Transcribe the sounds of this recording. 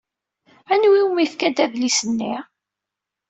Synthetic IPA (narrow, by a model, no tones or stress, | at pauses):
ænwiwmifkæd̪æðlisənːi